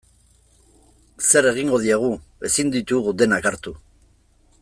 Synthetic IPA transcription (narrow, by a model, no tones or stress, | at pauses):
se̞ɾe̞ɣ̞iŋɡo̞ðiaɣ̞ue̞sind̪it̪uɣud̪e̞nakaɾt̪u